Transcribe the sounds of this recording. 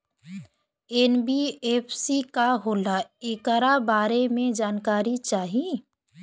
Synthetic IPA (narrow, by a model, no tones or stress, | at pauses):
enbieːpʰsikaɦoːlaɪkəɾabaːɾemẽd͡ʒaːnkaːɾit͡ʃaːɦie